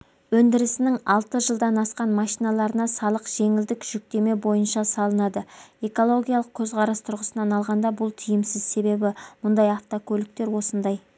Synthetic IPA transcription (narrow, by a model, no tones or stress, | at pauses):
wɵnd̪ɪɾɪsɪnɪŋɑlˠt̪əʒəlˠd̪ɑnɑsqɑnmɑʃijnɑlˠɑɾənɑsɑlˠəqʒ̥e̞ŋɪld̪ɪkʒ̥ʏk̚t̪e̞me̞bo̞jənʃɑsɑlˠənɑd̪əe̞ko̞lˠo̞ɡʲijalˠəq̚kʲʰɵzqʰɑɾɑst̪ʰʊɾʁəsənɑnɑlˠʁɑnd̪ɑbʊlˠt̪ʰɪjɪmsɪzse̞be̞bɪmʊnd̪ɑjɑft̪okʲʰɵlɪk̚t̪e̞ɾwo̞sənd̪ɑj